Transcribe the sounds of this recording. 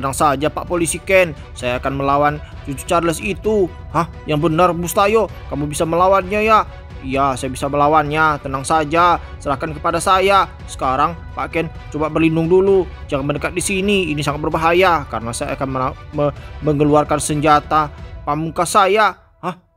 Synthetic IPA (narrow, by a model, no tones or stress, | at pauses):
t̪ənaŋsad͡ʒapa̰ʔpolisikɛn | sajaːkanməlawan | t͡ʃut͡ʃut͡ʃaɾləsit̪u | hahjaŋbənarmust̪ajo | kamubisaməlawanɲaja | ijasajabisaməlawanɲat̪ənaŋsad͡ʒasəɾahkankəpadasaja | sə̥kaɾaŋ | pa̰ʔkɛn | t͡ʃobabərlindʊŋdulu | d͡ʒaŋanməndəkat̪̚disiniinisaŋat̪̚bərbaɦajakaɾənasaja̰ːkanməməməŋəluarkansəɲd͡ʒat̪apaʔmukasaja | hah